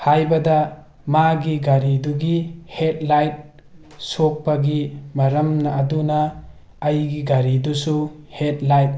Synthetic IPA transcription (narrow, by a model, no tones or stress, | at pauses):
hajbɐda | maɡiɡaɾiduɡihet̚lajt̚ | sok̚pɐɡimɐɾɐmnɐːdunaː | jɡiɡaɾidusuhet̚lajt̚